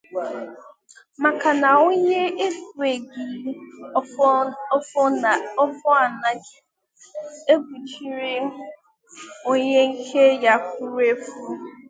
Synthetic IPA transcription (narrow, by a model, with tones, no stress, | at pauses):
ma˨ka˨na˨o˦ɲe˦e˦fu˨e˨ɡi˨˦ | ɔ˦fɔ˦a˨na˦d͡ʒ | e˦bu˨t͡ʃi˦ɾi˦ | o˦ɲe˦ŋ̩˦kʰe˦ja˦kʊ˦ɾe˦fu˦